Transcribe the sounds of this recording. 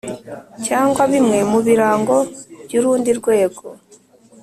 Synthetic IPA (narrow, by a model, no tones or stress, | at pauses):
caːŋɡwaβimŋemuβiɾaːŋɡo̞βjuɾuːndiɾɡweːɡo